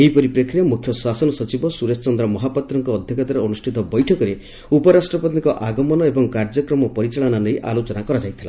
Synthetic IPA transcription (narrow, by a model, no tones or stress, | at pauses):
eɦipɔɾipɾekʰɾijamukʰjɔsasɔnɔsɔt͡ʃibɔsuɾest͡ʃɔnd̪ɾɔmɔɦapɔt̪ɾɔŋkɔːd̪ʱjɔkat̪aɾeɔnusʈʰit̪ɔbɔjʈʰɔkɔɾe | upɔɾasʈɾɔpɔt̪ikɔʔaɡɔmɔnɔebɔŋkaɾd͡ʒɔkɾɔmɔpɔɾit͡ʃaɭɔnalejʔa̰lot͡ʃɔnakɔɾad͡ʒajt̪ʰila̰